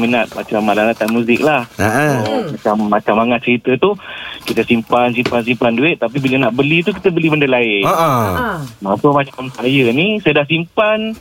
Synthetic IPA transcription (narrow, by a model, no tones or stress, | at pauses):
mənat̪̚ma̰t͡ʃamːalalat̪anmũzɪk̚lahəəmat͡ʃamːat͡ʃamːaŋat̪̚t͡ʃəɾit̪ət̪ukit̪əsimpans̬impans̬impanduɪʔ̚t̪ap̬ibilənaʔbəlit̪uki̥t̪əbəlibəndəlaɪno | apəmat͡ʃamsajənisajadas̬impan